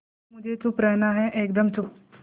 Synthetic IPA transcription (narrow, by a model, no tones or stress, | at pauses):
mud͡ʒet͡supɾənaɦɛʔekd̪əmt͡su